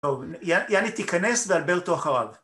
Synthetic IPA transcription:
ovjajanit̪ikane̞svealbelt̪oaχaʁa̰v

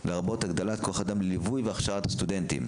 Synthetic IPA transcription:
leʁabo̞t̪aɡd̪olatkoaχad̪amlelivujveaχʃaʁat̪hḁst̪ud̪ent̪ḭm

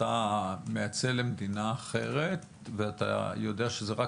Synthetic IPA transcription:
amejat͡selemed̪inaːχe̞ʁe̞t̪ | veat̪a̰jo̞d̪e̞aʃezeʁa

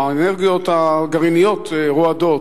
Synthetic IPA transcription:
eneʁɡijo̞t̪aɡaʁinijot̪eʁoad̪o̞t

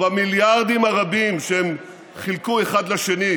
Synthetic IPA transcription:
amiljaʁd̪imhaʁabimʃeem | χilkue̞χad̪leʃe̞ni

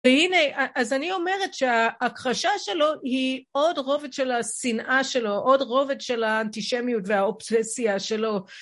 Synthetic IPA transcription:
vehineaʔazanio̞meʁetʃeaːkʁaʃaʃe̞lo̞hiodʁo̞vetʃelasinʔaʃe̞lo̞ʔodʁo̞vetʃe̞laːntiʃemijutveaobsesiaʃe̞lo̞

